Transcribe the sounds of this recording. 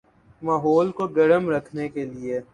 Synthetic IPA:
maːɦɔːlkoɡɐɽəmɾɐkʰnekelie

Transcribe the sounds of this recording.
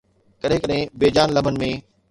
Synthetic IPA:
kɐɾɦɪ̃kəɗɦɪ̃beːd͡ʑaːnlɐm̤ənɪ̆mẽ

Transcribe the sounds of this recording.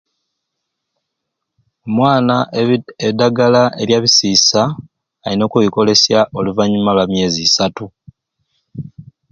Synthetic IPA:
omwaːnaedaɡalaʔe̞ljaβisiːsaː | lino̞kuβiko̞le̞sjaʔo̞luvaɲːumalwamje̞ːziːsatu

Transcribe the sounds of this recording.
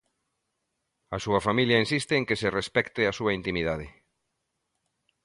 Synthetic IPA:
asuɐfamiljɐensist̪ɪːŋkeserespɛkt̪ɪasuɐint̪imiðað̞ɪ

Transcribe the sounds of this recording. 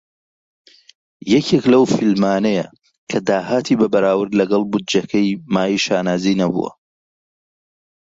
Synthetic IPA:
jɛkʰeklɐwfilmaːnɐjɐ̰ | kʰɐd̪aːɦaːt̪ʰiːbɐbɐɾaːwɨɾd̪lɐɡɐlˠbʊd̪̚d͡ʒɐkʰɐjmaːjiːʃaːnaːzinɐbṵwɐ̰

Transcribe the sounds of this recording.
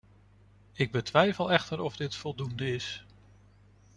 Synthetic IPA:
ɪɡ̚bətʋɛjfəlˠɛχtəɾɔvdɪtfɔlˠdundəɪs

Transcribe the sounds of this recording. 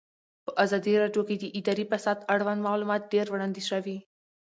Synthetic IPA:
pəʔazɑd̪iɾɑɖjoked̪əʔɪd̪ɑɾipasɑd̪aɽwand̪mɑlumɑt̪̚ɖeɾwɽɑnd̪izʃawi

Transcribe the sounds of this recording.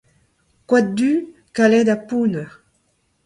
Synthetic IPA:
kwat̚d̪y | kalɛd̪apuna

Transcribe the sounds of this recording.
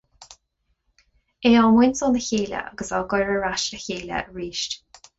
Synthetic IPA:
eːɔmɪnʲsɔːnəçeːlʲə̰ʔa̰ɡəsaɡɔjɹəɹaʃəçeːlə̰ɹiːʃt

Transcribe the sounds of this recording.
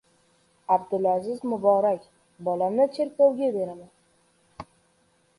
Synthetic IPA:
abd̪ʊlazɪzmʊbɒɾakʲ | bɒlamnɪt͡ʃʰe̞ɾkʲowɡʲabe̞ɾaman

